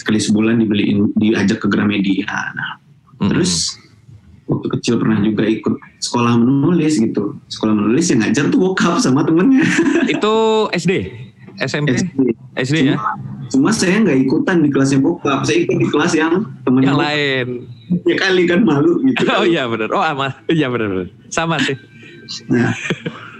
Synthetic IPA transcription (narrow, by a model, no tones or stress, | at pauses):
sə̥kalisəbulandibəliʔndiad͡ʒakːəɡəɾamedia̰na̰h | t̪əɾʊs | wa̰k̚t̪ukət͡ʃɪlpərnahd͡ʒuɡaikʊt̪̚sə̥kolahmənulɪsɡit̪usə̥kolahmənulɪsjaŋɡad͡ʒant̪ubokap̚samat̪əmənɲait̪uɛsde | ɛsɛmɛsde | ʔɛsdejaat͡ʃumasajaŋɡaʔikut̪andikəlas̬jaŋbokap̚sajaikʊt̪̚dikəlasjaŋt̪əmənjaŋlaɪnjakalikanmaluɡit̪uojabənərʔoamajabənərbənr | samasɪh | na